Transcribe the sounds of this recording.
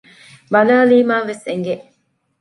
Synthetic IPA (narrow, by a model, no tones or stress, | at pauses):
bɐnaːliːmaːʋeseŋɡe